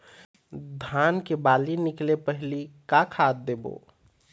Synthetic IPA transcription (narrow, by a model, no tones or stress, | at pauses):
d̪ʱankebaːlinɪklepəɦlikakʰat̪̚d̪ebo̰